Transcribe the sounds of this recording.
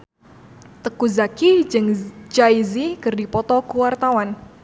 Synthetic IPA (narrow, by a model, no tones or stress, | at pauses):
t̪əkuzakid͡ʒɨŋd͡ʒaizikɨrdipɔt̪ɔkuwart̪awan